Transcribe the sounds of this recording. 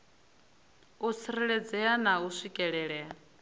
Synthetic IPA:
ut͡sʰiɾiɺɛd͡zɛanausʷikʼɛɺɛɺɛa

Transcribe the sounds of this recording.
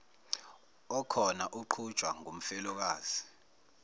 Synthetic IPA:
ɔkʰɔnaʔuǃʰud̥t͡ʃwaŋum̩fɛlɔk̬aːz̥i

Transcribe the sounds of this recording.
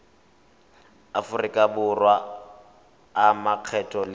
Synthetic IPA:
afʊrɪkʼabʊrwa | maq͡χʰɛtʼɔl

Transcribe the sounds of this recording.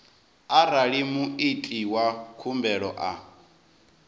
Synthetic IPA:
araɺimuit͡ɬʼiwakʰumbɛɺɔʔa

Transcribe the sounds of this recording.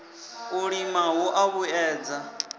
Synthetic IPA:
uɺimawɔʔaβuɛːd͡za

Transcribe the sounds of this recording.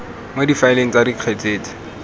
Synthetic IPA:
modifaɪleŋ̩t͡sadiq͡χʰet͡seːt͡si̥

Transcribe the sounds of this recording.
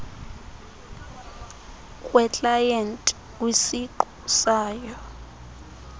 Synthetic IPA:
kʼwɛt͡ɬʼajɛntʼ | wisiǃusaːjɔ

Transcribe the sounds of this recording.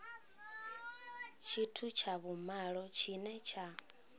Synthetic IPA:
t͡ʃʰitʰut͡ʃʰaβumaɺɔt͡ʃʰinɛt͡ʃʰa

